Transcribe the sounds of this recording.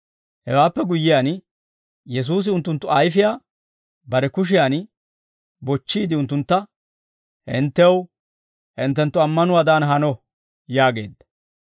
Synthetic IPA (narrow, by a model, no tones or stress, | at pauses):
hɛwaːpːɛɡʊjːɪjaːn | jɛs̬uːs̬ɪʊnt̪ːʊnt̪ːʊɐjfɪjaː | bɐɾɛkʊʃ̬ɪjan | bɔt͡ʃːiːd̪ɪʊnt̪ːʊnt̪ːɐ | hɪ̰nt̪ːɛw | hɪnt̪ːɛnt̪ːʊɐmːɐnʊwaːd̪aːnɦɐnɔ | jaːɡe̞̰ːd̪ːɐ̥